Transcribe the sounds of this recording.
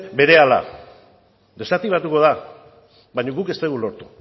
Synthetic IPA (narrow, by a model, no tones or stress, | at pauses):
be̞ɾe̞ala̰ | d̪e̞sat̪iβ̞at̪uko̞ða | baɲoɣuke̞st̪eɣulo̞ɾt̪u̥